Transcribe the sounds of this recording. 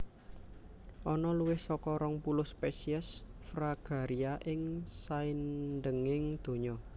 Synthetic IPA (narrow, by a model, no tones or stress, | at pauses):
ʔɔnɔluwɪhsɔkɔɾɔŋpulʊhspɛsiɛsfɾaɡ̥a̤ɾiaʔɪŋsainɖəŋɪŋd̪̥o̤ɲɔ